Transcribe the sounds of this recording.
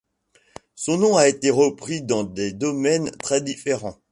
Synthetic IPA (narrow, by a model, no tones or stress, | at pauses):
sɔ̃nɔ̃aet̪eʁəpχid̪ɑ̃d̪ed̪ɔmɛnt̪χɛd̪ifeʁɑ̃